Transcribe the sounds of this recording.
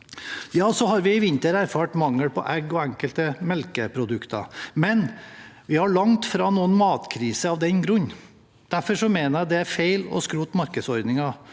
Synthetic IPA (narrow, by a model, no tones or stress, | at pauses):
jɑːsɔhɑɾʋɪɪʋɪnt̪əɾæɾfɑːʈmɑŋːəɽpʰɔ̰ʔɛɡɔæŋkəlt̪əmɛlkəpʰɾʊd̪ʉkt̪ʰɑ̰mɛnʋɪhɑɭɑŋt̪fɾɑnuːənmɑːt̪kʰɾiːsəɑʋd̪ɛnɡɾʉɲː | d̪̥æɾfɔʂɔmeːnəɾd̪ɛæɾfeɪlɔ̰skɾuːt̪mɑɾkəsɔɾd̪nɪŋɑ